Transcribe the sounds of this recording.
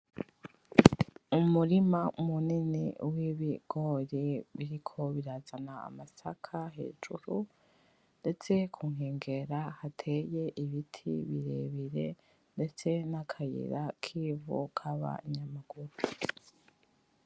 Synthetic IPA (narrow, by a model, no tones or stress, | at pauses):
umuɾimaumuninḭwiβiɡ̥o̞ːɾiβiɾikʰo̞βiɾazana̰ːmasakʰaɦe̞̰ːd͡ʒuɾu | nde̞t͡se̞kʰuŋ̥eːŋɡe̞ɾahatʰe̞je̞ʔiβitʰiβiɾḛβiɾe̞ | nde̞t͡se̞nakʰajḭɾakʰiːvṵkʰaβa̰iɲamaɡ̥uɾu